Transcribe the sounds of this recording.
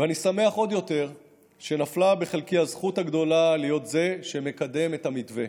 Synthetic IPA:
veanisame̞aχo̞d̪jo̞t̪e̞ʁ | ʃe̞naflabe̞χelkihazχuthaɡd̪o̞lalijo̞t̪ze̞ʃeme̞kad̪e̞me̞tamitve

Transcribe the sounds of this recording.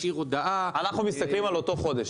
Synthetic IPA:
iʁod̪aʔaanaχnumist̪aklimalo̞t̪o̞χo̞d̪eʃ

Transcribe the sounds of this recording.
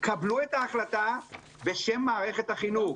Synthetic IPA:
kabluet̪aːχlat̪a | be̞ʃe̞mːaːʁe̞χet̪haχinuχ

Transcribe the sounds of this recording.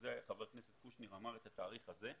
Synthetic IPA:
zeχaveʁkneset̪χuʃniʁamaʁet̪at̪aːʁiχaze̞

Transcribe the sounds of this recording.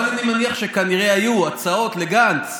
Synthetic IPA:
lanimeniaχʃe̞kaniʁe̞ajuat͡sao̞t̪le̞ɡant͡s

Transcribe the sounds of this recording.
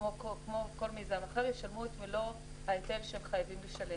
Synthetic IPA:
okokmoko̞lmizanaχeʁjeʃalmuet̪milo̞ | haet̪elʃehemχajavimleʃalem

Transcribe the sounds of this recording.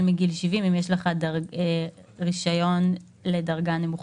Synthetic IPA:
lmiɡilʃivimimjeʃleχadaʁe | ʁiʃajo̞n | le̞dɐʁɡane̞muχ

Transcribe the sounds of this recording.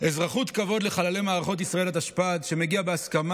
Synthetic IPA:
ezʁaχut̪kavo̞d̪le̞χalalemaːʁaχo̞t̪̬isʁae̞lat̪aʃpad̪ʃe̞meɡiabeaskam

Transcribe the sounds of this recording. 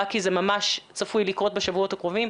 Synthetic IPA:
kizemamaʃt͡safujlikʁo̞t̚beʃavuo̞t̪hakʁo̞vim

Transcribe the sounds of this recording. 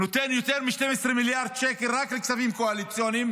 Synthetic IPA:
not̪enjot̪eʁmiʃtemesʁemiljaʁd̪̚t͡ʃekeʁakleksavimkoalit͡sjonim

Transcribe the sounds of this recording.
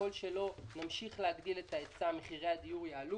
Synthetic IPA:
o̞lʃelo̞namʃiχleadɡiletaet͡sameχiʁejad̪ijuʁjaːlu

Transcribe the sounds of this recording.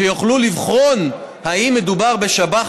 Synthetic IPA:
ejoχlulivχo̞n | haimːed̪ubaʁbe̞ʃaba

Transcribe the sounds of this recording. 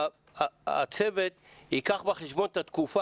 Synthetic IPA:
a̰t͡sevet̪hikaχbeχeʃbo̞nt̪at̪kufa

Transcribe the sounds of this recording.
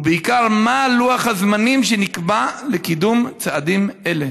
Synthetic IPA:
beikaʁmaluaχhazmanimʃenikbalekid̪umt͡sead̪imele

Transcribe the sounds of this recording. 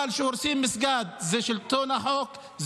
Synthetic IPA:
alʃeoɾsimːɪsɡad̪̚zeʃɪlt̪onaħok | z

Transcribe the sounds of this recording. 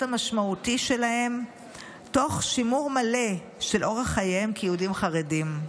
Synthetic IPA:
tamaʃmautiʃe̞lahe̞m | to̞χʃimuʁmale̞ | ʃe̞lʔo̞ʁhaχajeemkejudimχaʁedim

